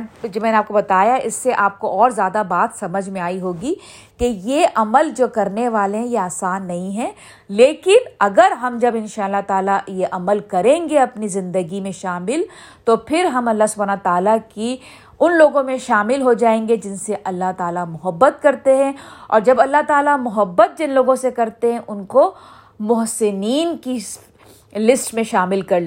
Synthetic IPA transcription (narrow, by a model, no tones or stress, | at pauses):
d͡ʒɐmɛːneaːp̚kobɐt̪aːjaɦɛʔɪsːeʔaːp̚koʔɔːɾzjaːd̪abaːt̪sɐməd͡ʒʱmẽaːiɦoːɡi | kejeʔɐməld͡ʒoːkɐɾneʋaːleɦɛ̃jeaːsaːnːɐɦĩɦɛ̃ː | leːkɪnɐɡəɾɦɐmd͡ʒɐbɪ̃nʃaːlːaɦt̪aːlajeʔɐməlkɐɾẽːŋɡeɐpnizɪ̃nd̪əɡimẽʃaːmɪl | t̪opʰɪɾɦɐmɐlːaɦsʊbʱanɐt̪aːlaki | ʊnloːɡõmẽʃaːmɪlɦod͡ʒaːẽːŋɡed͡ʒɪnseʔɐlːaɦt̪aːlamʊɦəbːət̪̚kɐɾt̪eɦɛ̃ɔ̰ːɾd͡ʒɐbɐlːaɦt̪aːlamʊɦəbːət̪̚d͡ʒɪnloːɡõsekɐɾt̪eɦɛ̃ʔʊnko | mʊɦsɪniːnki | lɪsʈmẽʃaːmɪlkɐɾl